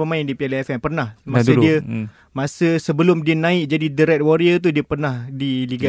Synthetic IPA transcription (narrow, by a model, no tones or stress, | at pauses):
əmãɪndipialəɛfɛnpərnahmasədiə | masəsəbəlʊmdiənãɪʔ̚d͡ʒadidəɾɛt̪̚woɾiət̪̬udiəpərnahdiliɡa